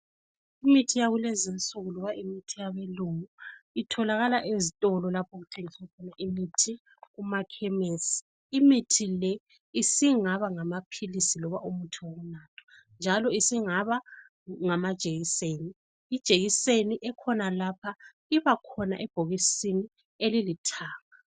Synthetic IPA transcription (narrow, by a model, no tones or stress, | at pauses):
imitʰijaɣulezint͡sʼuɣulɔβaʔimitʰijaβeluŋuitʰɔlaɣalaʔezitʼɔlɔlapʰoɣutʰeŋiskʰɔnaʔimitʰi | ɣumakʰɛmesi̥ː | mitʰilɛ | isiŋaβaŋamapʰilisilɔβaʔumutʰiwoɣunaːtʰɔ̥ | nd͡ʒʱalɔisiŋaβa | ŋamad̥ʒ̥ʱeɣiseːniː | d̥ʒ̥ʱeɣiseniʔɛkʰɔnalapʰa | iβakʰɔna̰ʔɛb̥ʱoɣisini | elilitʰaːŋa